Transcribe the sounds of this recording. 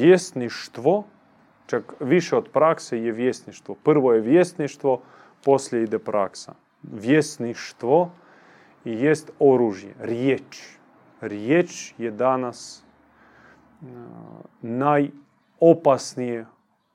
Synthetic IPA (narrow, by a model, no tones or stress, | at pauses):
jest̪niʃt̪ʋo | t͡ʃakʋiʃɛod̪pɾaksejeʋjest̪niʃt̪ʋopr̩ʋojeʋjest̪niʃt̪ʋo | poslʲjeid̪epɾa̰ksa̰ | ʋjesniʃt̪ʋo | ijest̪oɾuʒjḛɾjet͡ʃ | ɾjet͡ʃjed̪anas | naj | opasnije